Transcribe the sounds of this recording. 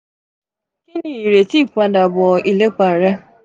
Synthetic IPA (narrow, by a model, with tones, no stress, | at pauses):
ki˦ni˦˨i˨ɾe˨ti˦˨kʷa˨da˨bɔ˨i˦le˦k͡pa˨ɾe˦